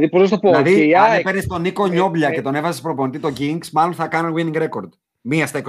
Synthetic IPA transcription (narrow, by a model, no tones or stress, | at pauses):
ðipozɐst̪opolɐðipeɾnist̪o̞nikoɲo̞bʎɐce̞t̪one̞vɐzespɾo̞po̞nit̪it̪o̞ɟiŋɡsmɐlo̞nθɐkɐnonwiniŋɡɾe̞ko̞ɾd̪ | miɐst̪ek